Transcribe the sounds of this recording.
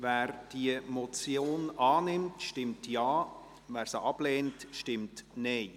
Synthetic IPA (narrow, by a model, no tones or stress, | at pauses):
væːɾd̥iəmɔt͡sjoːnɑːnɪmtʃtɪmtjɑː | væːɾsəʔɑb̥leːntʃtɪmtneɪ